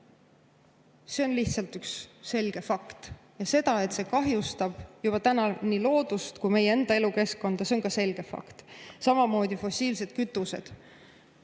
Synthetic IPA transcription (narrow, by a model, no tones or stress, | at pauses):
se̞o̞nliht̪sɑlt̪yksːe̞lɡ̥e̞fɑkt̪ | jɑse̞d̪̥ɑe̞t̪se̞kɑɦjust̪ɑb̥jub̥ɑt̪ænɑnilo̞ːd̪̥ust̪kujme̞jee̞nd̪̥ɑeluke̞skko̞nd̪̥ɑse̞o̞nkɑse̞lɡ̥e̞fɑ̰kt̪sɑmɑmo̞ːd̪̥ʲifo̞sʲiːlse̞d̪̥̚kyt̪ːˑuse̞̰d̪̥